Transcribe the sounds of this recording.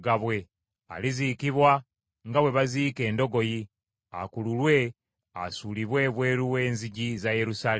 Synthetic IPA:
ɡaβwe̞ | a̰lizikiβwa | ŋɡaβwe̞βaziːke̞ːndo̞ɡo̞ji | a̰kululwe̞ | a̰suliβwe̞βwe̞ːɾuwe̞ːnziɟizaje̞ɾusaːl

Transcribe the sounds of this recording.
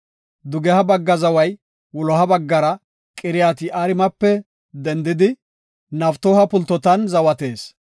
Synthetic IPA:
d̪ʊɡɛhɐbɐɡːɐzɐwɐj | wʊlɔɦɐbɐɡːɐɾɐ | kʼɪɾɪjaːt̪ɪʔaːɾɪmɐpːɛ | d̪ɛnd̪ɪd̪ɪ | nɐft̪ɔːhɐpʊlt̪ːɔt̪ɐnzɐwɐt̪eːs

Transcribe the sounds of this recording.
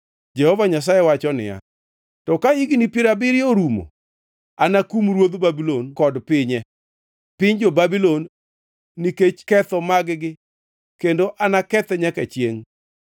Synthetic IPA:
d͡ʒɛhɔvaɲas̬ajɛwat͡ʃɔnɪ̰ja̰ | tɔkaiɡinipɪɾabɪɾjoɾumo̰ | anakumɾwod̪babilonkɔdpɪɲɛ | pɪɲd͡ʒobabilonː | iket͡ʃkɛt̪ɔmaɡɡɪ | kendoʔanakɛt̪ɛɲakɛt͡ʃjeŋ

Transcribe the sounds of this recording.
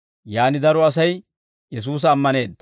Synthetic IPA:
jaːnɪd̪ɐɾɔɐs̬ɐj | jɛs̬uːs̬ɐːmːɐne̞ːd̪ɐ

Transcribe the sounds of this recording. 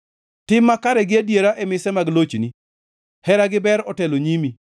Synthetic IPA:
tɪmːakaɾɛɡɪadjeɾaʔɛmɪsɛmaɡlot͡ʃni | hɛɾaɡɪbɛɾɔtɛloɲimi

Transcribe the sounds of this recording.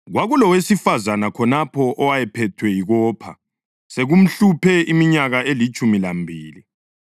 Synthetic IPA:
ɣwaɣulɔwesifazanakʰɔnapʰɔʔɔwajɛpʰɛtʰwɛjiɣɔːpʰa | seɣum̩ɬupʰɛʔimiɲaɣaelit͡ʃʼumilambʱiːli

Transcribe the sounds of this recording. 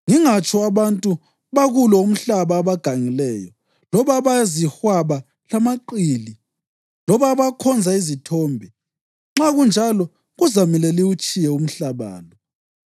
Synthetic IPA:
ŋiŋat͡ʃʼɔaβantʼu | βaɣulɔum̩ɬaβaːβaɡ̥ʱaŋilɛjɔ | lɔβaβazihwaβa | lamaǃiːli | lɔβaβakʰɔnd͡zʱaizitʰɔːmbʱi | ŋ͡ǁaɣund͡ʒʱalɔ | ɣuzamilɛliut͡ʃʼijɛum̩ɬaβa̰ːlɔ

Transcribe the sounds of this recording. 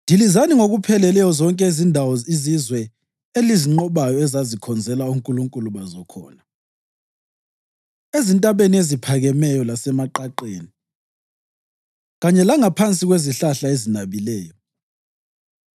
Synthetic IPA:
ndʱilizaniŋoɣupʰɛlɛlɛjɔzɔŋkʼɛizindʱawɔizizwɛ | eliziŋ͡ǃɔβajɔɛzazikʰɔnd͡zʱɛlauŋkʼuluŋkʼuluβazɔkʰɔ̰ːna | ezintʼaβeniezipʰaɣɛmɛjɔlasɛmaǃaǃeːni | ɣaɲɛlaŋapʰant͡sʼiɣweziɬaɬaezinaβilɛːjɔ

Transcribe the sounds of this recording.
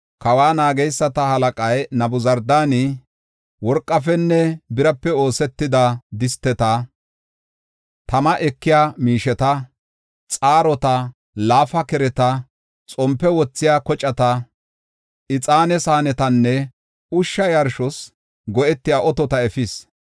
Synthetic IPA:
kɐwaːnaːɡɛjsːɐt̪ɐhɐlɐkʼɐjnɐbʊzɐɾd̪aːni | wɔɾkʼːɐfɛnːɛbɪɾɐpːɛo̞ːsɛt̪ːɪd̪ɐd̪ɪst̪ːɛt̪ɐ | t̪ɐmɐʔɛkːɪjaːmiːʃɛt̪ɐ | t͡sʼaːɾɔt̪ɐ | laːfɐkɛɾɛt̪ɐ | t͡sʼɔmpːɛwɔt͡sːɪjaːkɔt͡ʃʼɐt̪ɐ | ɪt͡sʼaːnɛsaːnɛt̪ɐnːɛ | ʊʃːɐjɐɾʃɔs | ɡɔʔɛt̪ːɪjaːʔɔt̪ɔt̪ɐɛfɪs

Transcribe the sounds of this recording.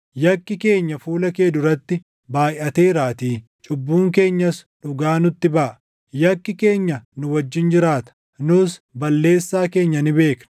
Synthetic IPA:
jɐkːɪke̞ːɲːɐfuːlɐkeːd̪ʊɾɐt̪ːɪ | baːjʔɐt̪e̞ːɾaːt̪iː | t͡ʃʼʊbːuːŋke̞ːɲːɐsᶑʊɡaːnʊt̪ːɪbɐːʔɐ | jɐkːɪke̞ːɲːɐnʊwɐd͡ʒːɪnd͡ʒɪɾaːt̪ɐ̥ | nʊsbɐlːe̞ːsːaːke̞ːɲːɐnɪbe̞ːkn

